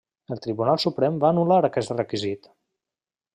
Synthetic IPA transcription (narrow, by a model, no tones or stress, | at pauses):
əlˠt̪ɾiβunalˠsupɾɛmbaːnulaɾəkɛst̪rəkizit̪